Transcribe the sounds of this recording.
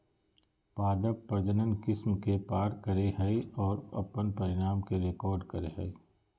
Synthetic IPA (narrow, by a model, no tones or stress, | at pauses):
paːd̪əpːɐɾd̪ənənkɪsmkepaːɾkɐɾeɦɐiɔːɾɐ̰pənpɐɾɪɽaːmkeɾekɔːɾɖkɐɾeɦɐi